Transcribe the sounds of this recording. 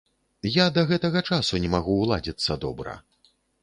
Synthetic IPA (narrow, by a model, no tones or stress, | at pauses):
jad̪ɐɣɛt̪ɐɣɐt͡ʂasunʲɛmaɣuːlˠa̰d͡zʲit̪sːɐd̪ɔ̰bɾɐ̰